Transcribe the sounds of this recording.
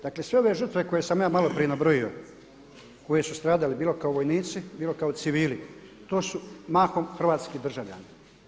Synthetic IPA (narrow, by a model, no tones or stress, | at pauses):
d̪aklesʋe̞o̞ʋe̞ʒər̩t̪ʋeko̞jesamjaːmalo̞pɾijenabɾojio̞̰ | ko̞je̞sust̪ɾaːd̪alibiːlo̞kaoʋojniːt̪sibiːlo̞kaot̪siʋiːli | t̪o̞ːsumaːxomxɾr̩ʋaːt̪skid̪r̩ʒaʋʎa̰ːni